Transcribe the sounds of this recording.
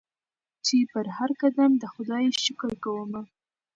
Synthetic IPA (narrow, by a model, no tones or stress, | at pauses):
t͡ʃepəɾhaɾkad̪amd̪əxʊd̪ɑjʃəkəlkawəma